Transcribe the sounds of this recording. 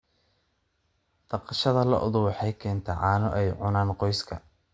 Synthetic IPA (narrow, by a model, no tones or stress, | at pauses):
d̪̥ɐqɑʃɐðɐlɐ̰ʔʊðʊwɑħɑjkʰɛːnt̪ʰɛʕɑːnɔʔɛjʕʊnaːnqɔjskʰɐ̰